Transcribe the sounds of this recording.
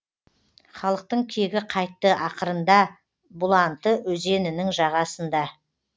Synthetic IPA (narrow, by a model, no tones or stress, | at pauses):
χɑlˠəq̚t̪əɴkʲʰe̞ɡʲɪqʰɑjt̪ːəʔɑqəɾənd̪ɑ | bʊlˠɑnt̪əwɵze̞nɪnɪŋʒɑʁɑsənd̪ɑ